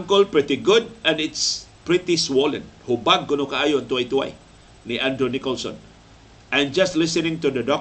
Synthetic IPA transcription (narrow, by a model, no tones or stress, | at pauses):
ŋkəlpɹit̪iɡʊd̚ɛ̃nɪtspɹit̪iswolə̰̃nhubaɡ̚ɡunukaajunt̪uait̪ua̰j | niʔãndɾonikɔlsɔ̰̃n | ʔãnd͡ʒastlɪsənɪ̃ŋt̪udədɔ